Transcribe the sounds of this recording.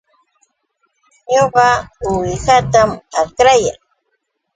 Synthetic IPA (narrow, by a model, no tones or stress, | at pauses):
ɲoɢɑʊwɪhat̪amakɾaja̰ŋ